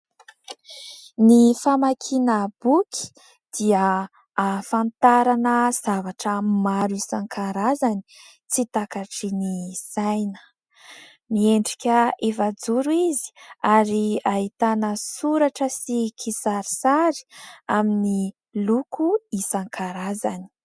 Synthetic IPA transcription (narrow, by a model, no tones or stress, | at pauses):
nifamakʰinəb̥ukʰi̥ | d̪̥iə | afant̪aɾanəz̥avaʈ͡ʂəmaɾuisaŋkʰaɾazani̥ | t͡sit̪akaʈ͡ʂiniz̥ajnə̥ | mieɳɖ͡ʐi̥kʲəefad͡zuɾuizi̥aɾiaɦit̪anəsuɾaʈ͡ʂəsikʰisaɾisaɾi̥amini | lukuisaŋkʰaɾaza̰ni̥